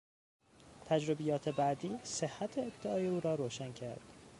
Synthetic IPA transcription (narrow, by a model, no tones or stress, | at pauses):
t̪ʰæd͡ʒɾobejɒːt̪ʰe̞bæd̪iːsehːæt̪ʰeːb̚d̪eɒːjeuːɾɒːɾoːʃæncʰæɾd̪̥